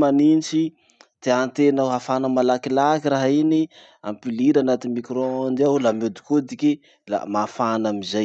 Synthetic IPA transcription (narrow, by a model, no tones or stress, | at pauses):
manint͡ʃi | t̪eant̪enawɦafanəmalakilakiraɦaini | a̰mpiliɾanat̪imikɾond̪iawlamod̪i̥kod̪iki | la̰mafanamizaj